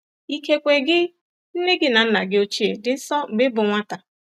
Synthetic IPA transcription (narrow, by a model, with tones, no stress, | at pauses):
i˦ke˦kʷe˨ɡɪ˦ | n̩˦ne˦ɡɪ˦na˨n̩˦na˨ɡɪ˦o˦t͡ʃi˦e˨dɪ˨n̩˦sɔ˦m̩˨ɡ͡bɪ˦bʊ˨ŋʷa˦ta˨